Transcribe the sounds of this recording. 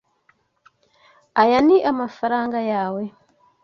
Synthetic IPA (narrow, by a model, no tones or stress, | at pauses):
ajaniʔamafaɾaːŋɡajaːwe